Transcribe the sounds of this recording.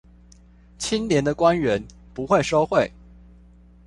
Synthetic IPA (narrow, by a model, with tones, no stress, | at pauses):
t͡ɕʰi˥nljɛ˨˧˥nd̪ə˧kwa˥nɥɛ˧˦˥n | pu˧˥xwe˥˩ɪʂo˥ʊxwe˥˩ɪ